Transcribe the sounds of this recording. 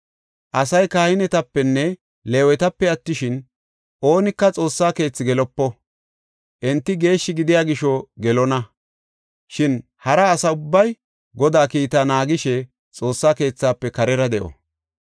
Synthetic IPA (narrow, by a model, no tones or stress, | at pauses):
ʔɐsɐjkaːhɪnɛt̪ɐpːɛnːɛ | leːwɛt̪ɐpːɛɐt̪ːɪʃɪn | ʔo̞ːnɪkːɐt͡sʼo̞ːsːaːke̞ːt͡sːɪɡɛlɔpːɔ | ʔɛnt̪ːɪɡe̞ːʃːɪɡɪd̪ɪjaːɡɪʃɔɡɛlɔnɐ | ʃɪn | hɐɾɐːsɐʊbːɐj | ɡɔd̪aːkiːt̪anaːɡɪʃɛ | t͡sʼo̞ːsːaːke̞ːt͡sːaːpːɛkɐɾɛɾɐd̪ɛʔɔ̰